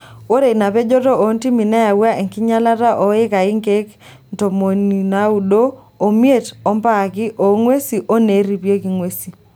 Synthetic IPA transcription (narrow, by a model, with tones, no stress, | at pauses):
o˦ɾe˨na˨pe˦d͡ʒɔ˦tɔ˦o˨nti˦mi˨na˦ja˨wa˦ʔe˨ŋki˦ɲa˦la˦ta˦ʔɔ˨˦ɪ˦ka˨ɪ˦ŋke˦k | n˨to˨mo˨ni˨na˨˦u˨ɗoː˦˨ | mje˦˨tɔ˨˦mpa˦˨kɪ˦ʔo˨˦ŋwe˦si˨ʔo˦ne˨˦ɾi˨pje˦ki˨˦ŋwe˦si˨